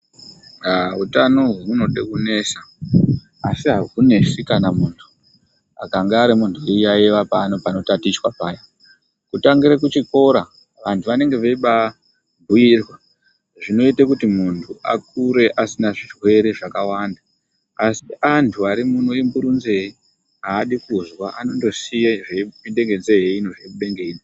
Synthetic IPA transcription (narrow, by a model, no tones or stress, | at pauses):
autanoɦuno̞ɗekune̞sa | asiɦaɦune̞sikanamuːntʰu̥ | akaŋɡaːɾimuntʰuejaeʋapaːno̞pano̞tatit͡ʃwapaːja | kutaŋɡiɾekut͡ʃiko̞ɾa | ʋantʰuʋane̞ŋɡe̞ʋeiɓa | bʱuirwa | ʐino̞itakutimuntʰuʔa̰k̚uɾe̞ʔasinaʐirwe̞ɾe̞ʐakawanda | asiʔantʰuaɾimun̤uembuɾunze̞i | aːɗikuzwaʔano̞ndo̞sijaʐeminde̞ŋɡe̞nzejeinoʐeuɓe̞ŋɡeino